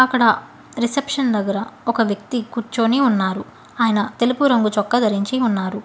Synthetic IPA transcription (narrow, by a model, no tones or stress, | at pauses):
ɐkːɐɽɐ | ɾisepʂɐnd̪ɐɡːɐɾɐɔkɐʋjɐk̚t̪ikuːɾt͡ʃoːniunːaːɾu | aːjɐnɐt̪e̞lupuɾɐŋɡut͡ʃɔkːɐd̪ʱɐɾiɲt͡ʃiunːaːɾu